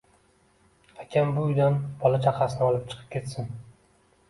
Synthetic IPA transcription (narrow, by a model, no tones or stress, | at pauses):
akʲʰambʊʊjd̪anb̥ɒlat͡ʃʰaqʰasɪnɪɒlˠɪp̚t͡ʃʰɨ̥qʰɨ̥p̚kʲʰe̞t̪sɪn